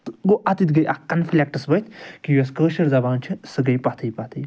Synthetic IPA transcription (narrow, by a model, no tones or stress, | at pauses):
t̪ɡoʔɐt̪it̪ɡɐjʔakɐnfʰlʲek̚ʈɐsbɐjt̪ʰkijɐskəːʃɐɾzɐbaːnt͡ʃʰisɨɡɐjpɐt̪ʰɐjpɐt̪ʰɐj